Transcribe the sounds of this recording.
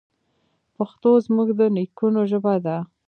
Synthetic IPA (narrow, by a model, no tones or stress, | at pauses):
paxt̪ozmuɡd̪ənikunoʒəbad̪a